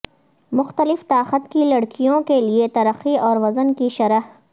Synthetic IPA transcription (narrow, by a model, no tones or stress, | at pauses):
mʊxt̪əlɪft̪aːxət̪kilɐɽkijõkeliet̪ɐɾəxiɔːɾʋɐzənkiʃɐɾəɦ